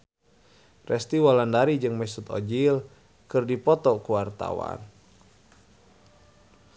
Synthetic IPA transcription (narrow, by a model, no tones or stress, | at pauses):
rɛst̪iwalandaɾid͡ʒɨŋmɛsut̪ɔ̰d͡ʒil | kɨrdipɔt̪ɔkuwart̪a̰wa̰n